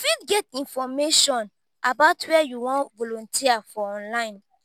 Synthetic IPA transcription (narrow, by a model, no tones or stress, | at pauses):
fidɡɛtĩnfɔmeʃɔ̃n | ʔabaʊtwɛajuwɔ̃nvɔlɔ̃ntʰiafɔɔ̃nlãɪ̃n